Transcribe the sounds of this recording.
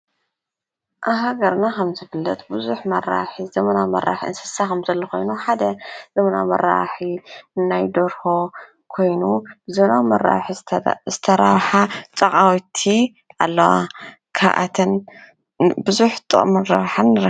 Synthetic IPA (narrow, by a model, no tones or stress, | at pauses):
ʔaɦaɡɐɾnakʰɐmzɨfɨlːɐt̪ʼbɨzuħmɐra̰ħizɐmɐnawmɐ̰ɾa̰ħiɨnsɨ̥sakɐmzɐlːɐko̞̰jnuħad̪ɐz̥ɐmɐna̰mɐ̰ɾa̰ħiɨnːajd̪oɾho̞ | kʰo̞jnubɨzɐmɐnawmɐɾːa̰wħizɨt̪ʰɐɾaβħat͡sʼɐkʼawit̪ʰi | ʔalːɐwa̰ | kʰaʔa̰t̪ʰɐn | bɨzuħt̪ʼɨ̰ʔʼmɨaβħanːɨɾ